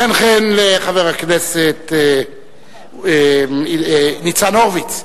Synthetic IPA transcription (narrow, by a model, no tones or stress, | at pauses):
enχenleχaveʁhakneset̪ | nit͡sanoʁvit͡s